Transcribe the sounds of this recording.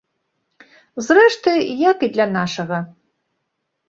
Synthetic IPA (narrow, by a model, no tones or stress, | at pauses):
zrɛʂtʰɨjakid̪lʲanaʂɐɣɐ